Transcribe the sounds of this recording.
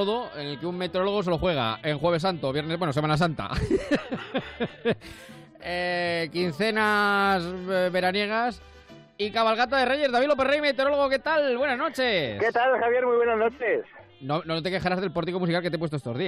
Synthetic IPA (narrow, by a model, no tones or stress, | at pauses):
oðoenelkeumme̞t̪eɾoloɣ̞o̞selo̞xwe̞ɣ̞a̰e̞ŋxweβe̞s̬ant̪oβjenezβwenoemanas̬ant̪a̰ | ekin̟θe̞nasβe̞ɾanje̞ɣ̞as | ikaβalɣat̪aðe̞reʝe̞zðaβilo̞p̬erejme̞t̪eɾo̞lo̞ɣ̞oke̞t̪alβwe̞nazno̞t͡ʃe̞sket̪alxaβje̞ɾmujβwenaznot͡ʃes | nonot̪e̞ke̞xaɾazðe̞lpoɾt̪̬iko̞musikalkeep̬west̪oet̪o̞zðia